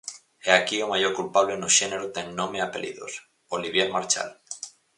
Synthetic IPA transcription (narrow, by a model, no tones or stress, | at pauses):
eakiomaʝoɾkulpaβ̞lenoʃeneɾot̪eŋnõmeapelḭðo̰s | oliβ̞jeɾmaɾt͡ʃa̰l